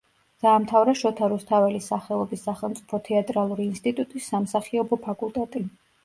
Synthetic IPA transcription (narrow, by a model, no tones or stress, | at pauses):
d̪̥aːmt̪ʰavɾaʃɔt̪ʰaɾust̪ʰavɛlisaχɛlˠɔbisːaχɛlˠmt̪sʼipʰɔt̪ʰɛat̪ʼɾalˠuɾiːnst̪ʼit̪ʼut̪ʼisːamsaχiɔbɔpʰakʼulˠt̪ʼɛt̪ʼi